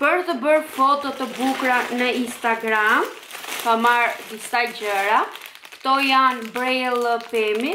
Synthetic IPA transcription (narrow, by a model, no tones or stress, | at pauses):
pəɾt̪əbəɾfɔt̪ɔt̪əbukɾanəinst̪aɡɾam | kamaɾd̪isad͡ʑəɾa | kt̪ɔjanbɾɛlˠəpɛmi